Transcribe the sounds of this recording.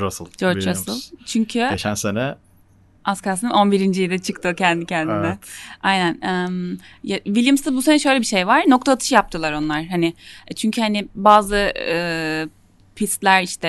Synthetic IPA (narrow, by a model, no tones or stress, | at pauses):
ɾasɯ̰lˠd͡ʒoɾt͡ʃɾasɯ̰lˠt͡ʃʰyɲcʰyet͡ʃnsenɛ | askasɯnɯno̞nbiɾind͡ʒijid̪ɛt͡ʃʰɯkt̪ʰɯcʰɛnd̪icʰɛnd̪inɛajnænɛmjavilʲjimst̪abuse̞nɛʃø̞jlʲɛbiʃe̞jvaɾ̥no̞k̚t̪ʰaːt̪ʰɯ̥ʃɯjap̚t̪ʰɯlˠaɾo̞nlˠaɾ̥ɦanɪt͡ʃʰyɲcʰyhanɪbaːzɯɯ | pʰist̪lʲæɾiʃt̪ʰɛ